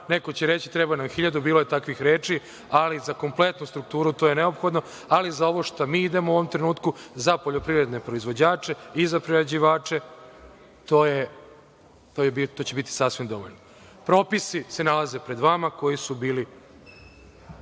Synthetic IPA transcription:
neko̞t͡ɕeɾe̞t͡ɕit̪ɾebanamxiʎad̪ubiːlo̞je̞t̪akʋixɾeːt͡ʂi | alizako̞mple̞t̪nust̪ɾuk̚t̪uːɾut̪o̞ːje̞ne̞o̞pxo̞d̪no̞ | alizao̞ʋo̞ʃt̪amiːid̪e̞mouoʋo̞mt̪ɾenuːt̪kuzapo̞ʎo̞pɾiɾe̞d̪ne̞pɾo̞izʋod͡ʑaːt͡ʃe̞izapɾiɾad͡ʑiʋaːt͡ʂe̞ | t̪oːje | t̪obit̪ot͡ɕe̞bit̪i̥sasʋimd̪o̞ʋoʎno | pɾo̞ːpisise̞nalaze̞pɾe̞d̪ʋamako̞jisubiːli

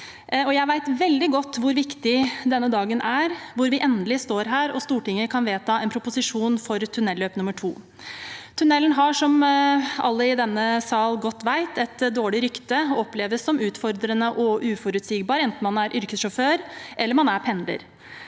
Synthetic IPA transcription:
ɔjæɪʋæɪt̪ʋɛld̪ɪɡɔt̪ːʋʊɾʋɪkt̪ɪd̪ɛnːəd̪ɑːɡənʔæɾʋʊɾʋɪʔɛnd̪əlɪst̪oːɾɦæːɾɔst̪uːʈɪŋːəkʰɑnʋeːt̪ʰɑːɛnpʰɾʊpʊsɪʂuːnfɔɾt̪ʰʉnɛlːøːpnʉmːəʈʰṵː | t̪ʰʉnɛlːən̩ɦɑʂɔmɑ̰lːəɪd̪ɛnːəsɑːlɡɔt̪ːʋæɪt̪ʰɛt̪d̪oːɭɪɾʏkt̪əɔɔpːleːʋəsːɔmʉːt̪fɔɾd̪ɾənəʔɔʔʉːfɔɾʉt̪siːɡbɑːɾɛnt̪n̩mɑnæɾʔʏɾkəsʂɔføːɾʔɛlːəɾmɑnæɾpʰɛnd̪ə̰ɾ

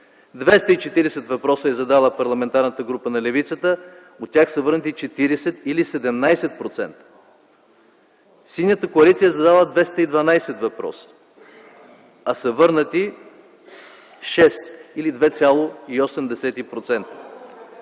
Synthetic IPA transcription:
d̪vɛst̪əit͡ʃɛt̪iɾɛsɛt̪vɐpɾɔsəɛzɐd̪alˠəpɐɾlˠɐmɛnt̪aɾnət̪əɡɾupənɐlɛvit̪sət̪ə | ot̪ːʲaxsəvɤɾnət̪it͡ʃɛt̪iɾɛsɛt̪ilisɛd̪ɛmnajsɛt̪̚pɾot̪sɛ̰nt̪ə̥ | silnʲjət̪əkoɐlit̪sijəɛzɐd̪alˠəd̪vɛst̪əid̪vɐnajsɛt̪vɐpɾɔ̰sə̥ | ɐsəvɤɾnət̪i | ʃɛst̪ilid̪vɛt̪sʲalˠoiosɛmd̪ɛsɛt̪ipɾot̪sɛnt̪ə̥

